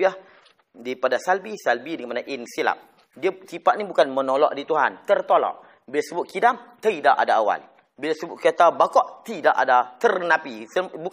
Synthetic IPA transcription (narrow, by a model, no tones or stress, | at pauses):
iah | dipadasalbisalbidəŋəmanaʔinsila̰p̚ | diasipaʔnibukanmənolɔ̰ʔdit̪uɦant̪ərt̪olɔ̰ʔ | bilasəbʊt̪̚kidamt̪əidaʔadaawa̰l | bilasəbʊʔ̪̚kat̪abakɔʔt̪idaʔadat̪ərnapisəbuk